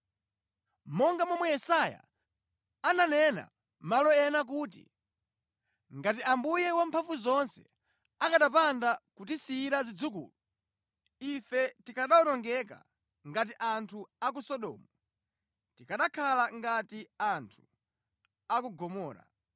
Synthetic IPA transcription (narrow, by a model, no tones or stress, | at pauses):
mɔŋɡamɔmɛjɛsaja̰ | ananɛna̰ | malɔɛnak̬uːtḭ | ŋɡatiʔambujɛwampʰaɱfuzɔnsɛ̰ | akaɗapandakutisiːɾazid͡zukṵːlu | ifɛtikaɗaɔnɔŋɡɛk̬a̰ | ŋɡat̬iʔantʰuak̬usɔɗɔ̰ːmu | tikaɗakʰalaŋɡatiantʰu̥ | akuɡɔmɔːɾa̰